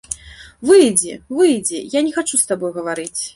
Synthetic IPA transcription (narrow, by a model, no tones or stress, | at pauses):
vɨjd͡zʲɛvɨjd͡zʲɛjanʲɛxat͡ʂust̪abɔjɣɐvaɾɨt͡sʲ